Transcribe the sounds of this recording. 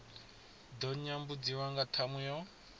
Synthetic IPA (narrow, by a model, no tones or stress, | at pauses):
dɔɲɲambud͡ziwaŋɡatʰamujɔ